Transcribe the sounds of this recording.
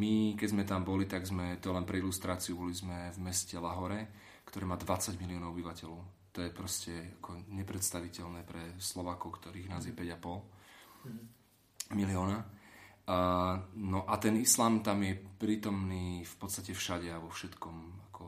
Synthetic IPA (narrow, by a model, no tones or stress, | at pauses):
mikɛzmɛt̪ambɔlit̪aɡzmɛt̪ɔɛlɛnpɾɛilust̪ɾaːt͡siubɔlizmɛvmɛscɛlaɦɔɾɛ | kt̪ɔɾiːmaːd̪ʋat͡saɟmiliɔːnɔʊɔbiʋacɛlɔʊt̪ɔjɛpɾɔscɛakʰɔɲɛpɾɛt̪st̪aʋicɛlnɛːpɾɛslɔʋaːkɔʊkt̪ɔɾiːɣnaːzjɛpɛɟapɔl | miliɔːna | nɔʔat̪ɛnislaːmt̪amjɛpɾiːt̪ɔmniːfpɔt̪st̪acɛfʃaɟɛaʋɔfʃɛt̪kɔmakʰɔ